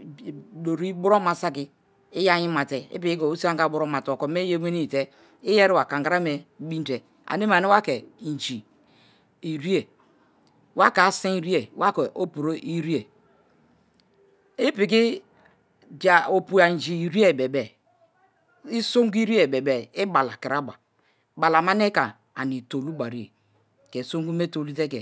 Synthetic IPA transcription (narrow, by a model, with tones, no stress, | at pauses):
do˨ɾi˦bu˦ɾo˦ma˨sa˦ki˦ | i˦ja˦ɲi˦ma˨te˨ḭ˦pi˨ki˦ko˨o˦si˦a˦a˨˦bu˦ɾo˦ma˨to˨ko˨me˦je˦e˦ni˦˨te˦ | i˦je˦ɾi˦wa˨ka˨ŋɡa˨ɾa˦me˨˦bi˦te˨ | a̰˨ni˦ma˨ni˦wa˦ke˨d͡ʒi˨ | i˨ɾi˦e˨ | wa˦ka˨˦si˦ɾi˦e˨wa˦ke˨o˦pu˨ɾo˦ʔi˦ɾi˦e˨ | i˦pi˨k̬i˦ | da˨o˨pu˨a˨d͡ʒi˨i˨ɾi˦e˦˨be˨bɛ˨ | i˦so˦ŋ˦ɡu˦i˦ɾi˦e˨be˨bɛ˨i˦ba˨la˨ki˨ɾa˦ba˨ | ba˨la˨ma˦ne˦ka˨ | a˨ni˨to˨lu˦ba˨ɾi˦e˨ | ke˨so˦ŋɡu˦me˦to˨lu˦te˦kḛ˨